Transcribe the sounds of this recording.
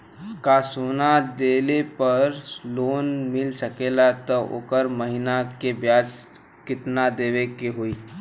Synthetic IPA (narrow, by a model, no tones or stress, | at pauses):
kaːsoːnad̪eːlepɐɾloːnmɪlsəkeːlat̪ɔo̰ːkəɾməɦinakebjaːd͡ʒ | kɪt̪nad̪eːʋekeɦoiː